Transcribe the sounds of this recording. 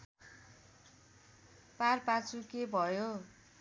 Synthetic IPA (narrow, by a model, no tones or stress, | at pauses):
parpat͡sʰukebʱʌjo